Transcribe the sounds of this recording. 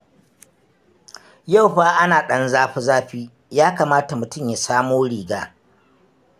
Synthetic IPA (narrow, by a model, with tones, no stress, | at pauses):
ja˦˨wɸaː˦ʔa˦naː˨ɗɐ˦nzaː˦ɸi˦zaː˦ɸiː˦ | jaː˦kaː˨maː˦ta˨mʊ˨tʊ˦mja˨saː˦moː˦ɽiː˨ɡaː˦